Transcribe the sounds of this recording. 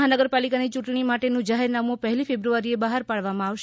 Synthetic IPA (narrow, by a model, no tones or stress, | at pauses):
ɦanəɡəɾpalikanit͡ʃũʈɳ̃imaʈenũd͡ʒaɦeɾnamũpəɦɛlifebɾuʋaɾiebəɦaɾpaɭʋamãaʋʃ